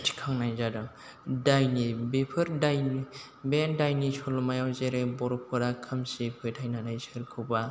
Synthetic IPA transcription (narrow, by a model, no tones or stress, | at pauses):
tʰi̥kʰaŋnajzadɯŋ | dajnibepʰɯɾdajni | bendajnisʰolɔmajawzeɾebɔɾɔpʰɯɾakʰɯmsipʰɯjtʰajnanajsɯɾkʰɯwba